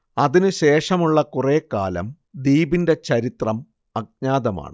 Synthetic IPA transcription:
ɐðinɨɕe̞ːʂɐmuɭːɐkureːkːa̰ːlɐ̰m | d̪iːbinde̞t͡ɕɐɾit̪rɐm | ɐɡ̚ɲaːðɐma̰ːɳɨ

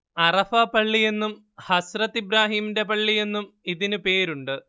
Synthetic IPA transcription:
ɐrɐfaːpɐɭːije̞nːum | hɐsrɐt̪ːibɾaːɦiːmde̞pɐɭːije̞nːum | iðinɨpe̞ːɾuɳɖɨ

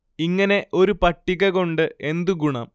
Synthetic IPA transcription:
iŋːɐne̞ʔo̞ɾupɐʈːiɣɐɣo̞ɳɖɨʔe̞nd̪uɡuɳɐ̰ːm

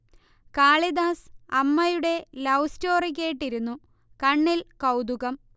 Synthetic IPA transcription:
kaːɭid̪aːsɐmːɐjuɽe̞lɐwsto̞ːrik̬ʲːeːjʈːiɾunːu | kɐɳːilkɐwd̪uɣɐm

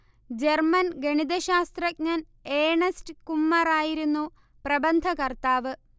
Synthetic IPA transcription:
d͡ʑermɐnɡɐɳid̪ɐɕaːst̪rɐk̚ɲaːn | eːɳɐstkumːɐraːjiɾunːu | prɐbɐnd̪ʱɐkɐrt̪aːʋɨ

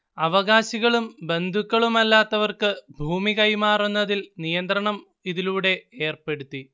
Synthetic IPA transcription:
ɐʋɐɣaːɕiɣɐɭumbe̞nd̪ʱukːɐɭumɐlːaːt̪ːɐʋɐrkɨbʱuːmiɣɐjmaːrunːɐðilnijɐnd̪ɾɐɳɐm | iðiluːɽe̞e̞ːrpe̞ɽut̪ːi

